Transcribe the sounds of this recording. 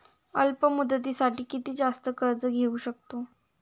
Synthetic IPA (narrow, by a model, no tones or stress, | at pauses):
ə̰lpəmud̪ət̪̬iːsaʈiːkit̪iːd͡zast̪əkəɾd͡zəɡʱeuːɕək̚t̪o